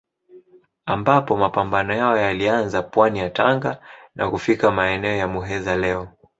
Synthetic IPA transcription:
ambapɔmapambanɔjaɔjalianzapwanijataŋɡanʔa̰kufikamaɛnɛɔjamuɦɛzalɛɔ

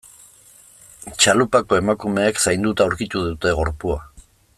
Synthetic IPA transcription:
t͡ʃalupako̞e̞makume̞ːksajnd̪ut̪auwɾkit̪uðut̪e̞ɣo̞ɾpua

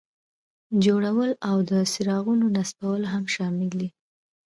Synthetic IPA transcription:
d͡ʒoɽawəlawd̪əsɪɾɑɣunonaspawəlɦamʃɑmɪli

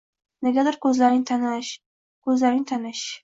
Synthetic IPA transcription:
neɡʲad̪ɪɾkʰɵzlaɾɪŋt̪ʰanaʃ | kʰɵzlaɾɪŋt̪ʰanɪʃ

